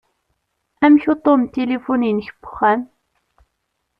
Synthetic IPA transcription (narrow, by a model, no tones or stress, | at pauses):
æmçot̪ˤomt̪elifuninçəbʊ̥χːæn